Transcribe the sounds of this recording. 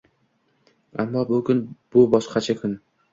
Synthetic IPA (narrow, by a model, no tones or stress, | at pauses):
amːɒbʊkʲʊnb̥ʊbɒʃqʰɑt͡ʃʰakʰʊn